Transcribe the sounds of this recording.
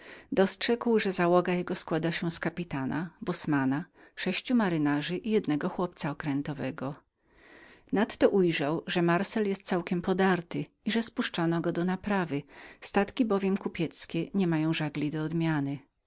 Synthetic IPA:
d̪ɔstʂɛkwʐɛzawɔɡajɛɡɔskwad̪aɕɛskapʲit̪ana̰bɔsmanaʂɛɕt͡ɕumaɾɘnaʐɘʔijɛd̪nɛɡɔxwɔp̚t̪saɔkɾɛnt̪ɔvɛɡɔ | nat̪ːɔʔujʐawʐɛmaɾsɛljɛst̪̚t̪sawkʲɛmpɔd̪aɾt̪ɘ | iʐɛspuʂt͡ʂanɔɡɔd̪ɔnapɾavɘst̪at̪kʲibɔvʲjɛmkupʲjɛt̪skʲɛɲɛmajɔ̃w̃ʐaɡlʲid̪ɔːd̪mʲjanɘ

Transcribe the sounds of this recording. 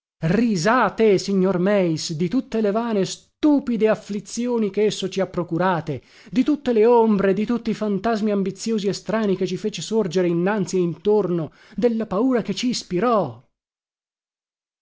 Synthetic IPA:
rizaːt̪esiɲːormɛjsd̪it̪ut̪ːelevaːnest̪uːpid̪eaflit̪sjoːnikeesːot͡ʃiapːɾokuɾaːt̪e | d̪it̪ut̪ːeleombɾed̪it̪ut̪ːiifant̪azmiambit̪sːjoːziest̪ɾaːniket͡ʃːifeːt͡ʃesord͡ʒeɾeinːant̪sieint̪orno | d̪elːapauːɾaket͡ʃːiːspiɾɔ

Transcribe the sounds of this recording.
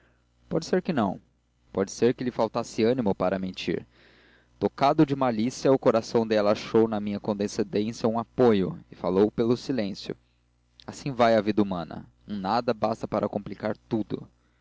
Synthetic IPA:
pɔd͡ʒɪseɾkɪnɐ̃w̃ | pɔd͡ʒɪ̥seɾkɪlɪfawt̪asɪɐnimʊpaɾɐmẽnt͡ʃḭɾ | t̪okad̪ʊd͡ʒɪmalisjɐʊkoɾasɐ̃w̃d̪ɛlɐaʃownɐmĩɲɐkõnd̪esed̪ẽsjɐũapojʊɪfalowpelʊsilẽsjʊ̰ | asĩvajɐvid̪ɐumɐ̃nɐ̰ | ẽnad̪ɐbast̪ɐpaɾɐkõmplikaɾt̪ud̪ʊ̰

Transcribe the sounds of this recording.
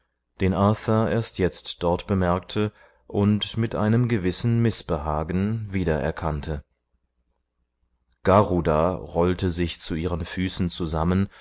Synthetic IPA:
d̥eːnʔaːθɐʔeːɐstʰjɛt͡std̥ɔɐtb̥əmɛɐk̚tʰə | ʔʊntmɪtʔa̰ɪnəmɡəvɪsn̩mɪsb̥əɦaːɡn̩viːdɐʔɛ̰ɐkʰantʰə | ɡ̥aʁudaːʁɔltəzɪçt͡suʔiːʁ̞ənfyːsn̩t͡suzamən

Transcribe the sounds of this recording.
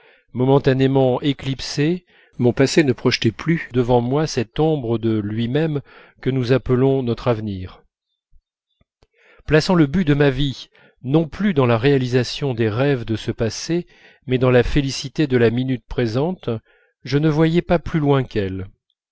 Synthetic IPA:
mɔmɑ̃t̪anemɑ̃ʔeklipse | mɔ̃pasenəpχɔʃt̪ɛplyd̪əvɑ̃mwasɛt̪ɔ̃bʁəd̪əlɥimɛm | kənuzapəlɔ̃nɔt̪χavniːʁ | plasɑ̃ləbyd̪əmavi | nɔ̃plyd̪ɑ̃laʁealizasjɔ̃d̪eʁɛvd̪əsəpase | mɛd̪ɑ̃lafelisit̪ed̪əlaminyt̪̚pχezɑ̃t̪ | ʒənəvwajɛpaplylwɛ̃kɛl

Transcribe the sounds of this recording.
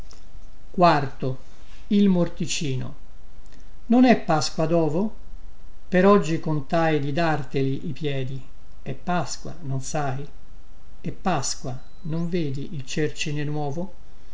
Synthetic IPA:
kwart̪o | ilmort̪it͡ʃiːno̰ | nonɛpːaskwad̪ɔːvo | peɾɔd͡ʒːikont̪ajd̪id̪art̪eliʔipjɛːd̪i | ɛpːaskwa̰nonsaj | epːaskwa | noɱveːd̪iʔilt͡ʃert͡ʃinenwɔːvo

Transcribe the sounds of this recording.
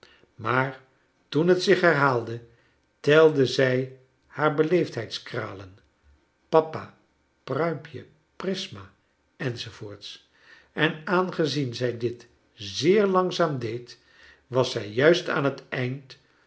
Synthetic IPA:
maːɹ | tunɦətsɪχɦɛɹɦaːlˠdə | tɛlˠdəzɛj | haːɹbəlejftɦɛjtskra̰ːlən | pɑpa | prœɥmpʰjə | prɪsma | ɛnzovʊːɹts | ɛnaːnχəzinzɛjdɪt | zɪːɹlɑŋzaːmdejt | ʋɑsɛjːœɥsta̰ːnɦətɛjnt

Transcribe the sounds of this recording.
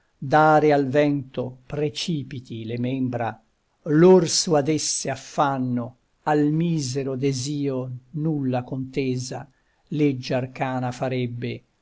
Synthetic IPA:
d̪aːɾealvɛnt̪opɾet͡ʃiːpit̪ilemembɾa | lorsuad̪esːeafːanːo | almiːzɛɾod̪eziːonulːakont̪eːza | led͡ʒːarkaːnafaɾɛbːe

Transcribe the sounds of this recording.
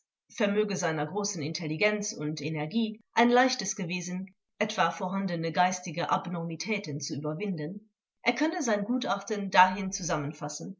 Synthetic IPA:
fɛɐmøːɡəzaɪnɐɡʁoːsn̩ɪntʰɛliɡɛnt͡sʊntenɛɐɡiːʔaɪnlaɪçtəsɡ̥əveːzən̩ | ʔɛtv̥aːfoːɐɦandənəɡaɪstɪɡəʔa̰bnɔʁmitʰɛːtənt͡suyːbɐvɪndən | ʔeːɐkʰœnəzaɪnɡuːtʔaχtəndaːɦɪnt͡suzamənfasn̩

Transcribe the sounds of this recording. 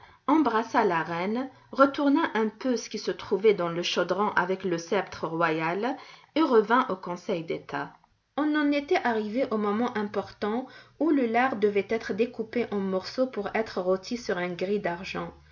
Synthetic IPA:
ɑ̃bʁasalaʁɛn | ʁət̪uʁnɑ̃ʔɛ̃pøsə̥kʲisət̪χuvɛd̪ɑ̃ləʃɔd̪ʁɑ̃ʔavɛkləsɛpt̪χəʁwajal | eʁəvɛ̃ʔokɔ̃sɛjd̪et̪ʰa | ɔ̃nɑ̃net̪ɛʔaʁiveʔomɔmɑ̃ʔɛ̃pɔʁt̪ɑ̃uləlaʁd̪əvɛt̪ɛt̪χəd̪ekupeʔɑ̃mɔʁsopuʁɛt̪χəʁɔt̪ʰisyʁɛ̃ɡʁid̪aʁʒɑ̃

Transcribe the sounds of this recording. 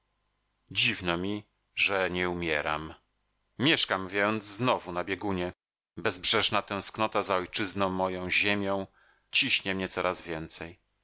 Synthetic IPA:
d͡ʑivnɔmʲi | ʐɛɲɛumʲjɛɾa̰m | mʲjɛʂkamvʲjɛjɔnd̪zznɔvunabʲjɛɡuɲɛ | bɛzbʐɛʐnat̪ɛ̃w̃sknɔt̪azaɔjt͡ʂɘznɔ̃w̃mːɔjɔ̃w̃ʑemʲjɔ̃w̃ | t͡ɕiɕɲɛmɲɛt̪ɔɾʔazvʲjɛnt̪sɛj

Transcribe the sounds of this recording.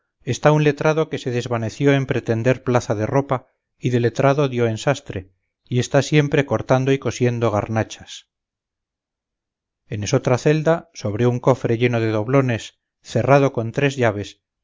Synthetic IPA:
e̞st̪aunle̞t̪ɾaðo̞ke̞se̞ðezβane̞θjo̞e̞mpɾe̞t̪e̞nd̪e̞ɾplaθaðe̞ro̞pa | iðe̞le̞t̪ɾaðo̞ðjo̞e̞nsast̪ɾe | ie̞st̪asje̞mpɾe̞ko̞ɾt̪and̪oiko̞sje̞nd̪oɣ̞a̰ɾnat͡ʃas | eneso̞t̪ɾaθe̞ld̪aso̞β̞ɾjouŋko̞fɾe̞ʎe̞noð̞e̞ðo̞βlo̞ne̞s | θe̞raðo̞ko̞nt̪ɾe̞zʎaβ̞e̞s

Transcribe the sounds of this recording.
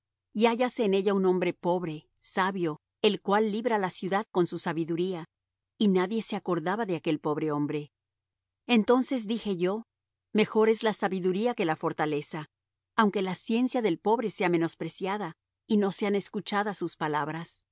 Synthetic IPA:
iaʝase̞ːne̞ʝaunõ̞mbɾe̞po̞βɾe̞ | saβjo̞ | elkwalːiβɾalasjuðaðko̞nsusaβiðuɾia | inaðje̞se̞ako̞ɾðaβaðeake̞lpo̞βɾe̞o̞mbɾe̞ | ent̪o̞nse̞zðixe̞ʝo̞ | me̞xo̞ɾe̞zlasaβiðuɾiake̞lafo̞ɾt̪ale̞saː | wŋke̞lasje̞nsjaðe̞lpo̞βɾe̞se̞ame̞no̞spɾe̞sjaða | ino̞se̞ane̞skut͡ʃaðasuspalaβɾas

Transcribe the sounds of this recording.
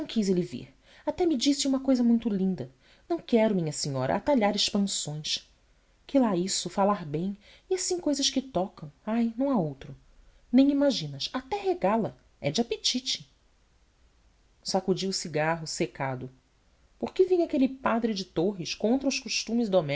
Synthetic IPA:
nɐ̃w̃kizelivḭɾ | at̪ɛmid͡ʒisɪũmɐkojzɐmũj̃t̪ʊlĩnd̪ɐ | nɐ̃w̃kɛɾʊmĩɲɐsiɲɔɾɐ̰at̪aʎaɾɪʃpɐ̃sõj̃ʃ | kilaisʊfalaɾbẽj̃ | iasĩj̃kojzɐʃkɪt̪ɔkɐ̃w̃ajnɐ̃w̃aowt̪ɾʊ | nẽj̃imaʒĩnɐʃat̪ɛɦeɡalɐ | ɛd͡ʒɪapet͡ʃit͡ʃɪ̥ | sakud͡ʒiʊsiɡaɦʊsekad̪ʊ | poɾkevĩjɲakelɪpad̪ɾɪd͡ʒɪt̪oɦɪʃkõnt̪ɾɐʊʃkuʃt̪ũmɪzd̪omɛ

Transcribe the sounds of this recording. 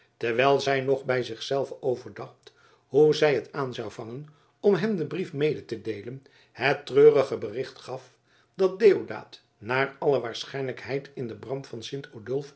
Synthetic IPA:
tɛɹʋɛjlˠzɛjnɔχbɛjzɪχsɛlˠvəowvəɹdɑχt | ɦuzɛjɦətaːnzɑwvɑŋən | ɔmɦɛmdəbrifmejdətədejlən | hətrøːrəχəbərɪχtχɑf | dɑt̚deːoda̰ːt | naːɹɑləʋaːɹsχɛjnləkɦɛjtʰɪndəbrɑmtfɑnsɪntʰodɵlˠf

